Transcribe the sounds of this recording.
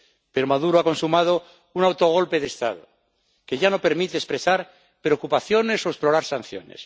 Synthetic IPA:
peɾomaðuɾoako̞nsumað̞o | unawt̪o̞ɣ̞o̞lpe̞ðeːst̪a̰ðo | ke̞ʝano̞pe̞ɾmit̪eːspɾesaɾ | pɾeokupaθjo̞ne̞so̞esplo̞ɾaɾsan̟θjo̞̰nḛs

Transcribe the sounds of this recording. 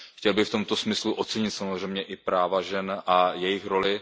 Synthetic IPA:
xcɛlbɪft̪o̞mt̪o̞smɪsluʔot̪t͡sɛɲɪt̪samozr̝ɛjmɲɛʔɪpɾaːvaʒɛnʔajɛjɪxɾo̞lɪ

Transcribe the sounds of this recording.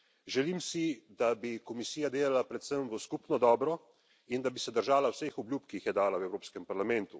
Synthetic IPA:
ʒɛlimsid̪abikɔmisiːjad̪eːlalapɾɛt̪səmʋəskupnɔd̪ɔːbɾɔ | ind̪abisɛd̪əɾʒaːlawsexɔbljupkiixjɛd̪aːlawɛwɾoːpskɛmpaɾlamɛnt̪u

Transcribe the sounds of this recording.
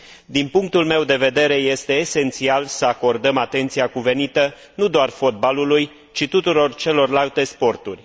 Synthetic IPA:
d̪inpuŋk̚t̪ulme̞wd̪e̞ve̞d̪e̞ɾe̞je̞st̪e̞ːse̞nt̪sialsəako̞rd̪əmat̪e̞nt̪siakuve̞nit̪ə | nud̪oarfo̞t̪̚baluluj | t͡ʃit̪ut̪uɾo̞rt͡ʃe̞lo̞rlalt̪e̞spo̞rt̪urʲ

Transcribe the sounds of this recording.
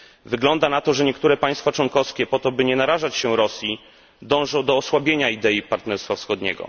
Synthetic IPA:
vɘɡlɔnd̪anat̪ɔʐɛɲɛkt̪uɾɛpaj̃st̪fat͡ʂwɔŋkɔfskʲɛpɔt̪ɔbɘɲɛnaɾaʐat͡ɕɕɛɾɔsʲji | d̪ɔ̃w̃ʐɔ̃w̃d̪ɔːswabʲjeɲaid̪ɛipaɾt̪nɛɾst̪fafsxɔd̪ɲɛ̰ɡɔ̰

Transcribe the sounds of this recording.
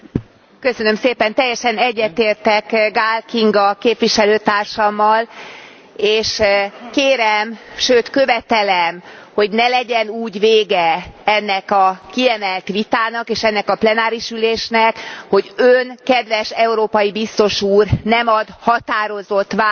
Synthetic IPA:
køsønø̞mseːpɛnt̪ɛjːɛʃɛnɛɟːɛt̪eːrt̪ɛkɡaːlkiŋɡɒkeːpʋiʃɛløːt̪aːrʃɒmːɒl | eːʃkeːɾɛmʃøːt̪kø̞vɛt̪ɛlɛmho̞ɟnɛlɛɟɛnuːɟʋeːɡɛɛnːɛkɒkiɛmɛlt̪ʋit̪aːnɒkeːʃɛnːɛkɒplɛnaːɾiʃyleːʃnɛkho̞ɟønkɛd̪ʋɛʃɛuɾoːpɒjibist̪o̞ʃuːrnɛmɒd̪hɒt̪aːɾo̞zo̞t̪ʋa

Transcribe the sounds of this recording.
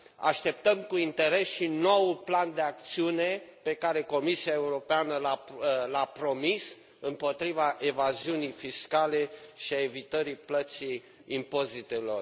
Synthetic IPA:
a̰ʃt̪e̞p̚t̪əmkuint̪e̞ɾe̞sʃino̞wupland̪e̞ak̚t̪siune̞pe̞kaɾe̞ko̞misiae̞uɾo̞peanəlalapɾo̞mis | ɨmpo̞t̪ɾivaʔe̞vaziunijfiskale̞ʃiaevit̪əɾiplət̪si | impo̞zit̪e̞lo̞̰r

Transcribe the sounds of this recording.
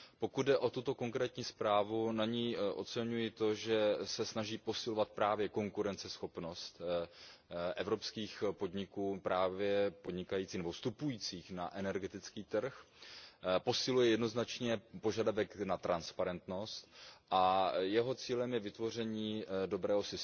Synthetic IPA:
po̞kud̪̚dɛʔo̞t̪ut̪o̞ko̞ŋkɾɛːt̪ɲiːspɾaːvunaɲiːʔo̞̰t͡sɛɲujɪt̪o̞ʒɛsɛsnaʒiːpo̞sɪlo̞vat̪̚pɾaːvjɛko̞ŋkuɾɛnt͡sɛsxo̞pno̞st̪ | ʔɛvɾo̞pskiːxpo̞dɲɪkuːpɾaːvjɛpo̞dɲɪkajiːt͡siːnɛbost̪upujiːt͡siːxnaʔɛnɛɾɡɛt̪ɪt͡skiːt̪r̩x | po̞sɪlujɛjɛdno̞znat͡ʃɲɛpo̞ʒadavɛknat̪ɾanspaɾɛnt̪no̞st̪ʔajɛɦo̞t͡siːlɛmjɛvɪt̪vo̞r̝ɛɲiːdo̞bɾɛːɦo̞sɪs

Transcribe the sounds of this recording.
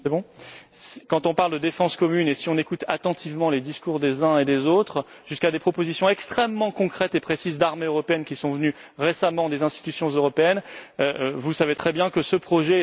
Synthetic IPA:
sɛbɔ̃skɑ̃t̪ɔ̃paʁld̪əd̪efɑ̃skɔmynesiɔ̃nekut̪ʰat̪ɑ̃t̪ʰivmɑ̃led̪iskuʁd̪ezɛ̃ed̪ezot̪χ | ʒ̥yskad̪epχɔpozisjɔ̃ɛkst̪χɛmːɑ̃kɔ̃kχɛt̪epχesizd̪aʁmeøʁɔpeɛnkʲisɔ̃vəny | ʁesamɑ̃d̪ezɛ̃st̪i̥t̪ysjɔ̃zøʁɔpeɛnøvusavet̪χɛbjɛ̃kəsəpχɔʒɛ

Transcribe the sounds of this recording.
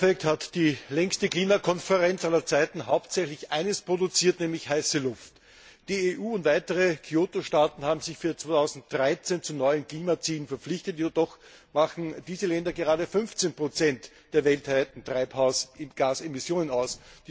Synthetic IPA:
fɛk̚thatd̥iːlɛŋstəkliːmakʰɔnfəʁɛnt͡sʔalɐt͡saɪtn̩ɦaʊp̚tsɛçlɪçʔa̰ɪnəspʁ̥odʊt͡siːɐtnɛːmlɪçhaɪsəlʊft | d̥iːeʔuːʊntv̥aɪtəʁəkʰioːtoʃtaːtn̩haːbm̩zɪçfyːɐt͡svoːtʰaʊzn̩t̚d̥ʁaɪt͡sent͡sunɔʏənkl̥iːmat͡siːlənfɛɐp͡flɪçtətjoɐdɔx | maχn̩d̥iːzəlɛndɐɡəʁaːɾəfʏnft͡senpʁ̥ot͡sɛnt | d̥eːɐvɛltv̥aɪtn̩tʁ̥aɪphaʊsʔɪnɡ̥aːsemɪsjoːnənaʊsd̥

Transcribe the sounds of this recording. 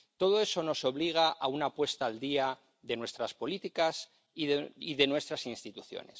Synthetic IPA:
t̪o̞ð̞o̞e̞so̞no̞so̞βliɣ̞aʔaunapwe̞st̪aːld̪ia | ðe̞nwe̞st̪ɾaspo̞lit̪ikas | iiðe̞nwe̞st̪ɾasinst̪it̪uθjo̞̰ne̞̰s

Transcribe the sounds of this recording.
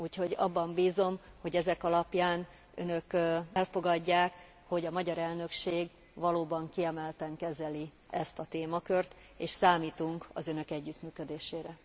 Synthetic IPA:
uːcho̞ɟɒ̰bːɒmbiːzo̞mho̞ɟɛzɛkɒlɒpjaːn | ø̰nø̞kɛlfo̞ɡɒɟːaːk | ho̞ɟɒmɒɟɒɾɛlnø̞kʃeːɡ | ʋɒloːbɒŋkiɛmɛlt̪ɛŋkɛzɛli | ɛst̪ɒt̪eːmɒkø̞rt̪ | eːʃsaːmiːt̪uŋkɒ̰zø̞nø̞kɛɟːyt̪myːkø̞d̪eːʃeːɾɛ

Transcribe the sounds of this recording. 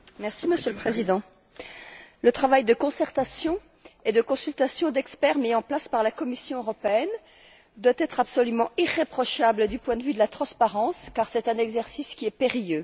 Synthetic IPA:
mɛʁsiməsjøləpχezid̪ɑ̃ | lət̪χavajd̪əkɔ̃sɛʁt̪asjɔ̃ | ed̪əkɔ̃sylt̪asjɔ̃d̪ɛkspɛʁmiɑ̃plaspaʁlakɔmisjɔ̃øʁɔpeɛn | d̪wat̪ɛt̪χapsɔlymɑ̃iʁepχɔʃabləd̪ypwɛ̃d̪əvyd̪əlat̪χɑ̃spaʁɑ̃skaʁsɛt̪ɛ̃nɛɡzɛʁsiskʲiɛpeʁijø

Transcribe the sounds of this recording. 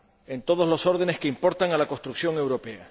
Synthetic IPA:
e̞nt̪o̞ð̞ozlo̞so̞ɾð̞e̞ne̞skeimpo̞ɾt̪aŋalako̞st̪ɾuksjo̞ŋe̞wɾo̞pe̞a̰

